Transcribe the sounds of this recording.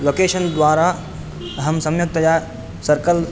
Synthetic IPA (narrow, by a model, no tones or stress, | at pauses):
loːkeːʃənd̪ʋaːɾa | ɦɐmsɐmjɐk̚t̪ɐjaː | sɐɾkəl